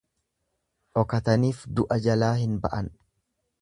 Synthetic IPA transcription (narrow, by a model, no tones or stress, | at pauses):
ʔɔkɐt̪ɐniːfd̪ʊʔɐd͡ʒɐlaːhɪnbɐ̰ʔɐn